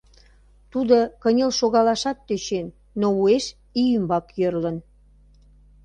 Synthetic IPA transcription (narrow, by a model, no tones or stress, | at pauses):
t̪ud̪ə̆kənʲelʃoɣɑlɑʃɑt̪ːøt͡ɕenː | oueʃ | ijymbɑkjørlən